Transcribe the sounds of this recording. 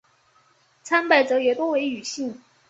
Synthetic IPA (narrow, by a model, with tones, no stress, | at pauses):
t͡sʰa˥npa˥˩ɪʈ͡ʂɤ˧˥jɛ˨˩t̪wɔ˥we˧˥ɪy˨˩ɕi˥˩ŋ